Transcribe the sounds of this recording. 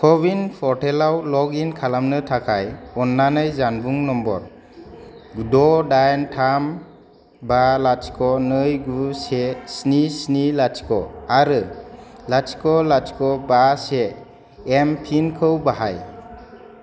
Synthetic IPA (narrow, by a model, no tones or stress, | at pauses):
kʰɔbinpʰɔɾtʰelawlɔɡinkʰalamnɯtʰakʰajɔnːanɯjzanbuŋnɔmbɔɾ | ɡudɔdajntʰam | balat͡ʃkʰɔnɯjɡusesnisnilat͡ʃkɔaɾɯlat͡ʃkɔlat͡ʃkɔbaseː | mpʰinkʰɯwbaɦaj